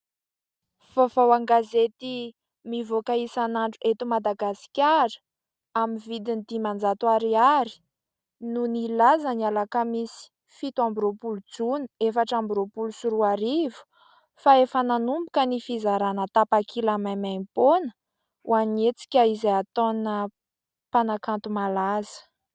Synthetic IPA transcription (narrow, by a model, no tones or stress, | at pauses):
v̥ovawaŋɡazet̪i | mivokaisanaɳʈ͡ʂuʔet̪umad̪aɡasi̥kʲaɾə̥ | aminvid̪inid̪imand͡zat̪waɾiaɾi̥ | nunilazənialakəmisi̥ | fit̪uambɾopulud͡zuni̥efaʈ͡ʂambiɾopulusuɾuaɾivu̥ | faefənanumbukənifizaɾanət̪apakʰilamamajmponə̥ | uanet͡si̥kʲaizaat̪onə | panakant̪umalazə̥